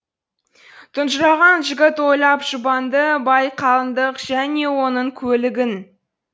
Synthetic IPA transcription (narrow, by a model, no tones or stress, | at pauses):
t̪ʰʊnʒəɾɑʁɑnʒɪɡʲɪt̪wo̞jlˠɑpʒ̥ʊbɑnd̪əbɑjqʰɑlˠənd̪əqʒ̥æne̞wo̞nəɴkʲʰɵlɪɡʲɪn